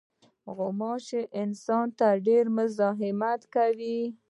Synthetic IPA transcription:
ɣʊmɑt͡ʃeʔɪnsɑnt̪aɖeɾmʊzɑɦɪmat̪kawi

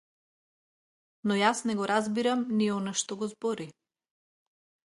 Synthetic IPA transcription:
nɔjasnɛɡɔɾazbiɾamniɔnaʃt̪ɔɡɔzbɔɾi

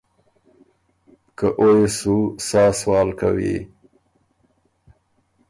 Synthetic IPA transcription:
kəʔojesusɑːswɑːlka̰wḭ

